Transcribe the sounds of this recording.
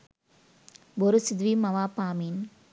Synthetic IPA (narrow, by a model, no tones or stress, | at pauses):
bɔɾɯsɪd̪ʋimɐʋaːpaːmin